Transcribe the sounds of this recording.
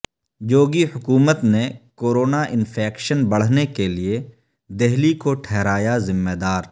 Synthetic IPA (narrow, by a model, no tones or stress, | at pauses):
d͡ʒoːɡihʊkuːmət̪nekoːɾoːnaʔɪnfʰɛːkʃənbɐɽ̤nekelie | d̪eɦlikoʈʰɛːɾaːjazɪmːed̪aːɾ